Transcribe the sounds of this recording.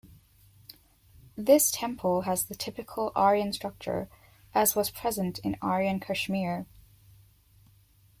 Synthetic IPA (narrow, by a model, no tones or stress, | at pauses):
ðɪstʰɛ̃mpʰl̩ˠəzðɨtʰɪpɨkʰəl̩ˠʔɑɹiɨ̃nstɹ̥ʌk̚t͡ʃə̰˞ | ʔɨzwʌz̥pʰɹ̥ɛzə̃ntʰɪ̰̃nɑɹiɨ̃nkʰəʃmɪɹ